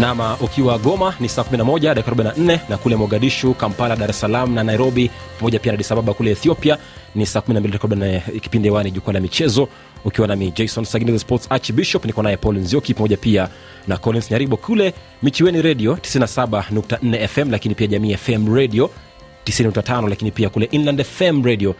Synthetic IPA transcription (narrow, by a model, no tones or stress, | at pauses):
namaʔukiwaɠɔmanisaːkuminamɔʄaɗakikaɾubɓainan̩nɛnakulɛmuaɡaɗiʃukampalaɗaɾɛsalam̩nanaiɾɔɓipamɔʄapianaaɗisaɓaɓakulɛɛθiɔpia | nisaːkuminambilitkaɾiɓaniɛki̥pindɛwaniʄukuanamit͡ʃɛzɔ | ukiwanamid͡ʒɛjsɔnsaɡnɛzaspɔtsat͡ʃbiʃɔpnikɔnajɛpɔlinzjɔkipamɔʄapia | nakɔlinsɲaɾiɓɔkʰulɛ | mit͡ʃiwɛniɾɛɗiɔti̥sininasaɓanuk̚tan̩nɛɛfɛmlakinipiaʄamiːɛfɛmɾɛɗiɔ | tisininuktatanɔlakinipiakulɛʔinlandɛfɛmɾɛɗiɔ